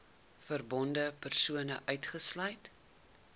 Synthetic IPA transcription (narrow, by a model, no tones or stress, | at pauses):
fərbɔndəpərsuənəʔœɥtχəslœjt